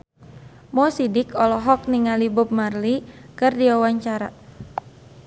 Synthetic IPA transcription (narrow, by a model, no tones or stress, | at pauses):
mɔsidɪkɔlɔɦɔk̚niŋalibʊp̚marlikɨrdiwawaɲt͡ʃaɾa̰